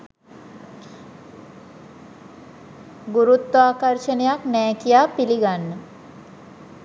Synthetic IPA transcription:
ɡuɾut̪ːaːkəɾʃənejaknɛːkijaːpiliɡanːə

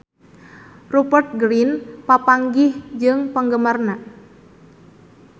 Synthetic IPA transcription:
rupərt̪̚ɡɾinpapaŋɡɪhd͡ʒɨŋpəŋɡəmarna

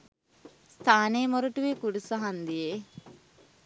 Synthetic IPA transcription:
st̪ʰaːneːmoɾuʈuʋekuɖusɐɦɐnd̪ije

